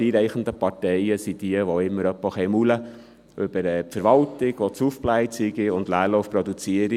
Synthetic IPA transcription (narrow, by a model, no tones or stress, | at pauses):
iːɾɛɪχən̩d̪əpɑtɛɪəsid̪̥iəʋoɪmːəɾœpːɔχɛɪmulə | ʔʏb̥əɾɛːpfəɾʋɑltɪɡ̥ʋotsufplæɪt͡siɡiʊndlæːɾlɔʊfpɾɔdut͡siəɾi